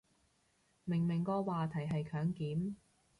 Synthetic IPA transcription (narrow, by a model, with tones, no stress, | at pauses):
mɪ˨˩ŋmɪ˨˩ŋkɔː˧waː˨˧t̪ʰɐ˨˩jɦɐ˨jkʰœː˨˥ŋkiː˨˥m